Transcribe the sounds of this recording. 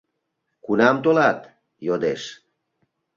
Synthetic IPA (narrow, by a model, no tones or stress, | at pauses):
kunɑmt̪olɑt̪ | jod̪eʃ